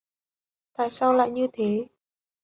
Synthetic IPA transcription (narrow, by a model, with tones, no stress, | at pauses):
t̪a̰ː˧˨jsaː˧wla̰ː˧˨jɲɨ˧t̪ʰe˨˦